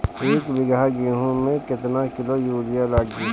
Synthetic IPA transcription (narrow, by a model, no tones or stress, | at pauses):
eːkbɪɡaɡiːɦõmẽkɪt̪nakɪlojuːɾɪjalaːɡi